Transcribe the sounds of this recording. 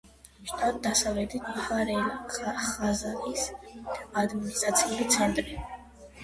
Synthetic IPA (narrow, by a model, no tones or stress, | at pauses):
ʃt̪ad̪̚d̪asavɛd̪it̪ʰhaɾɛliχazalis | ad̪minist̪ʼɾat̪sʰiulit̪sʰand̪ɾi